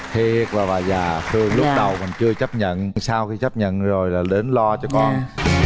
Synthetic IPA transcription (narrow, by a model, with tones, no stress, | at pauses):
hʰe˨˩k̚vaː˨˩vaː˨˩zaː˨˩t̪ʰɨ˧əŋlʊ˦˥pɗə˨˩wmï˨˩ŋ̟t͡ɕɨ˧ət͡ɕə˦˥p̚ɲə̰˧˨nŋsaː˧wxi˧t͡ɕə˦˥p̚ɲə̰˧˨nzo˨˩jlaː˨˩ɗe˨˦nlɔ˧t͡ɕɔ˧kɔ˧